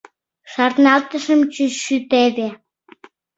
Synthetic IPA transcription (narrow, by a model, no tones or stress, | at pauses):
ʃɑrt̪nɑlt̪əʃəmt͡ɕyʃyt̪eβe